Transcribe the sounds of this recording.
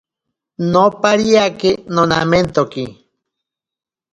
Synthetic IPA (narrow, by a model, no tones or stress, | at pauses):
nopaɾiakenona̰ment̪oki